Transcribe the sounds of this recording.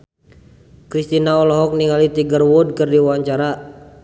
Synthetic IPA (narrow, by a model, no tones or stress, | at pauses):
kɾist̪inaɔlɔɦɔk̚niŋalit̪iɡərwɔd̚kərdiwaɲt͡ʃaɾa